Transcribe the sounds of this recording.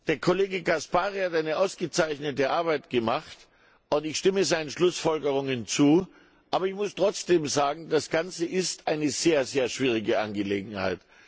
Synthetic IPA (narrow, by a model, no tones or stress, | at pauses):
d̥eːɐkʰoleːɡəɡaspaːʁihatʔaɪnəʔaʊsɡ̥ət͡saɪçnətəʔaɐbaɪtɡ̥əmaχt | ʊntɪçʃtɪməzaɪnənʃlʊsfɔlɡəʁ̞ʊŋənt͡suː | ʔaːbɐɪçmʊstʁ̥ɔt͡sd̥eːmzaːɡŋ̩dasɡ̥ant͡səʔɪstʔaɪnəzeːɐzeːɐʃv̥iːʁ̞ɪɡəʔa̰nɡəlḛːɡŋ̩ha̰ɪt